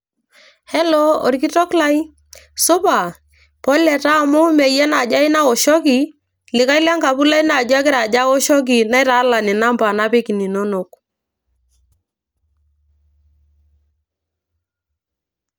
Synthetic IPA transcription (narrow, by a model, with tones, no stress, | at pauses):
hɛ˦lɔ˦ɔ̰˨ɾki˦tɔ˦kla˦j | sʊ˦pa˨ | pɔ˦lɛ˨ta˦˨mʊ˦mɛ˨jɛ˦na˨d͡ʒa˦i˦na˦kɔ˨ʃɔ˦ki˨ | lɪ˨ka˦jla˦ŋɡa˨pu˦la˦jna˨d͡ʒa˦kɪ˦ɾa˨d͡ʒa˦kɔ˦ʃɔ˦k̬i˨na˦jɾa˨˦la˨nɪ˨na˦mba˨na˦pɪ˦ki˨ni˨no˦no˨k